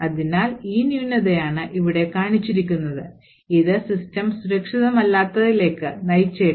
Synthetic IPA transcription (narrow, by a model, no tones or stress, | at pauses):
ɐðinaːliːnjuːnːɐðejaːɳɨʔiʋiɽe̞kaːɳit͡ɕːiɾikʲːunːɐðɨ | iðɨsistɐmsuɾɐkʂiðɐmɐlːaːt̪ːɐðile̞ːkːɨnɐjt͡ɕːeː